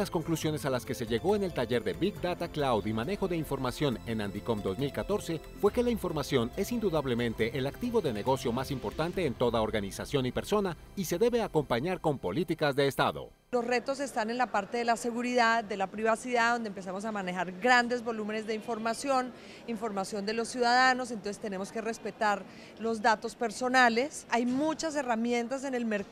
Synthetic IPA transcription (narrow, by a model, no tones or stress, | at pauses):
lasko̞ŋklusjo̞ne̞salaske̞se̞ʝe̞ɣo̞ene̞lt̪aʝe̞ɾðe̞biɡd̪at̪aklawðimane̞xo̞ðe̞iɱfo̞ɾmasjo̞ne̞nand̪iko̞md̪o̞zmilkat̪o̞ɾse̞ | fwe̞kelaiɱfo̞ɾmasjo̞ne̞sind̪uðaβle̞mẽ̞nt̪e̞ʔelakt̪iβo̞ðe̞ne̞ɣo̞sjo̞masimpo̞ɾt̪ant̪e̞ːnt̪o̞ðao̞ɾɣanisasjo̞nipe̞ɾso̞na | ise̞ðe̞βe̞ako̞mpaɲaɾko̞mpo̞lit̪ikazðe̞ːst̪aðo̞̰ | lo̞sre̞t̪o̞s̬e̞st̪ane̞nlapaɾt̪e̞ðelase̞ɣuɾiðaðd̪e̞lapɾiβasiðaðo̞nd̪empe̞s̬amo̞s̬amanexaɾɡɾand̪e̞zbo̞lume̞ne̞zðd̪eiɱfo̞ɾmasjo̞n | iɱfo̞ɾmasjo̞nd̪e̞losjuðaðano̞s̬ent̪osest̪e̞ne̞mo̞ske̞re̞spe̞t̪aɾ | lo̞zd̪at̪o̞spe̞ɾso̞nale̞sajmut͡ʃas̬e̞ramje̞nt̪as̬e̞ne̞lmeɾ